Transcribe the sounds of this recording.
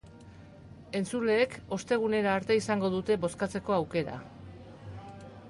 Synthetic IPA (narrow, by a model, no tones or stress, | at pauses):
e̞nt͡sule̞ːko̞st̪e̞ɣ̞une̞ɾaːɾt̪e̞isaŋɡo̞ð̞ut̪e̞βo̞skat͡se̞ko̞awke̞ɾa̰